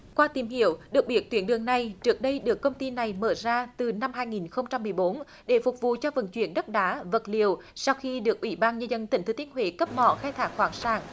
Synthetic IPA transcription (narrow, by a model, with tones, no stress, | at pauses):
kwaː˧t̪i˨˩mhi˧˨əwɗɨ˨˩ək̚ɓi˦˥ət̚t̪wi˨˦ənɗɨ˨˩əŋna˨˩jt͡ɕɨ˨˦˥ək̚ɗə˧jɗɨ˨˩əkːə˧wŋ͡mt̪i˧na˨˩jməː˧˩zaː˧t̪ɨ˨˩na˧mɦaː˧jŋi˨˩nxə˧wŋ͡mt͡ɕa˧mːɨ˨˩əjɓo˨˦n | ɗe˧˩fʊ˨˩k͡p̚vṵ˧˨t͡ɕɔ˧və̰˧˨˩nt͡ɕwḭ˧˩ənɗə˦˥t̚ɗaː˨˦və˨˩t̚li˨˩əw | sa˧wxi˧ɗɨ˨˩ək̚ʔwḭ˧˩ɓaː˧nɲə˧nzə˧nt̪i˨˧˩ŋ̟t̪ɨ˨˦t̪i˧˦ənhwḛ˧˩kə˦˥p̚mɔ̰˧˨xaː˧jt̪ʰaː˧˩kxwaː˧˩ŋsaː˧˩ŋ